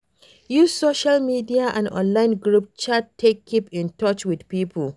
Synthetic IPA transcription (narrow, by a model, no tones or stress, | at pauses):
jussoʃalmidiaʔã̰ndʔɔ̰̃nlaɪ̃nɡɹup̚t͡ʃattʰːekʰːipɪ̃ntɔt͡ʃwɪdpiːpʰʊl